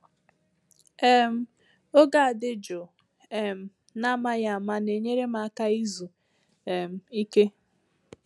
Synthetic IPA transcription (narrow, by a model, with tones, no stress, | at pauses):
e˦m̩˦ | o˦ɡa˦a˨dɪ˦d͡ʒo˨ | ɛ˨m̩˨ | na˦ma˦ja˦a˨ma˦ne˨ɲe˦ɾe˦ma˨a˦ka˦i˦zu˨ | m̩˨i˦ke˦